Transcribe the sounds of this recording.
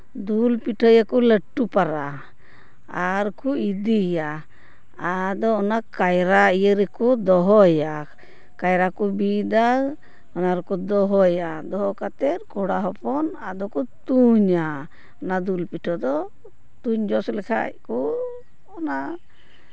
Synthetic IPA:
d̪ulpiʈʰəjəkɔləʈːupaɾa | aɾkʰuid̪ija | ad̪ɔːnakajɾaijəɾɛkɔd̪ɔɦɔja | kajɾakɔbid̪a | ɔnaɾɔkɔd̪ɔɦɔjad̪ɔɦɔkat̪ɛɾkɔɽaɦɔpɔnad̪ɔkɔt̪uɲa | ɔnad̪ulpiʈʰɔd̪ɔ | t̪uɲd͡ʒɔslɛkʰa̰jkɔ | ɔna

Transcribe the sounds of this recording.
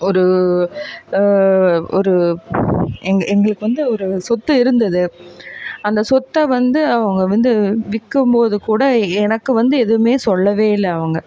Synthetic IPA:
ɔɾɯ | ɔɾɯ | ɛŋɡɛŋɡɐɭɯkːɯʋɐnd̪ɯɔɾɯsɔt̪ːɯɪɾɯnd̪ɐðɯ | ɐnd̪ɐsɔt̪ːɐʋɐnd̪ɯɐʋɐŋɡɐʋɐnd̪ɯʋɪkːɯmpoːðɯkuːɽɐɛnɐkːɯʋɐnd̪ɯɛðɯmeːsɔlːɐʋeːɪlːɐːʋɐŋɡɐ

